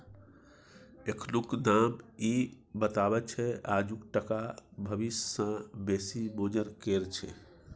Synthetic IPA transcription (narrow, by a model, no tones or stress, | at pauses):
ekʰlukd̪ami | bət̪abɛt͡ʃʰɛad͡ʒukʈəkabʱəbissə̃besibod͡ʒəɾkeɾt͡ʃʰɛ̰